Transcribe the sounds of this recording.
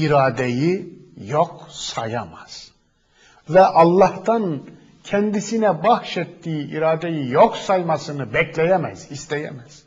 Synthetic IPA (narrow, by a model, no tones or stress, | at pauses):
iɾaːd̪ejijok̚sajamaz̥ | vɛʔɑlˠːɑht̪an | cʰɛnd̪isinɛbahʃɛt̪ːiːiʔiɾaːd̪ejijoksajmasɯnɯbɛclʲejɛmæz̥ist̪ʰejɛ̰mæz̥